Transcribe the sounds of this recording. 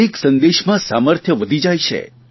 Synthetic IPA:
iksə̃nd̪eʃmãsaməɾt̪ʰjəʋəd̪ʱid͡ʒajʃʰḛ

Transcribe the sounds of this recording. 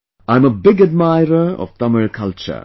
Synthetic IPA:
ãɪ̃məbɪɡəd̚maɪɹəɔ̰v̥t̪ʌməɹkʰʌlt͡ʃə̰

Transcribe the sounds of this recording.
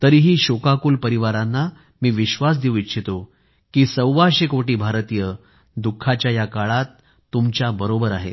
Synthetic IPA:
t̪əɾiːɦiːɕokakuːlpəɾiʋaɾanːa | miːʋiɕʋas̬d̪iũitɕʰit̪o | kiːsəwʋaɕekoʈiːbʱaɾt̪iːjə | d̪ukʰːat͡ɕjajakaɭat̪ː | umt͡ɕjabəɾobəɾaɦḛ

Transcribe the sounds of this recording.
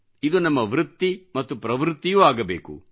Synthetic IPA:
id̪unɐmːɐʋɾut̪ːimɐt̪ːupɾɐʋɾɪt̪ːijuːaːɡɐbeːkṵ

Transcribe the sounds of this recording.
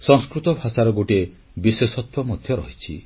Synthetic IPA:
sɔ̃ŋskɾut̪ɔbʱasaɾɔɡoʈe | biswesɔt̪wɔmɔd̪ʱjɔɾɔɦit͡ʃʰḭ

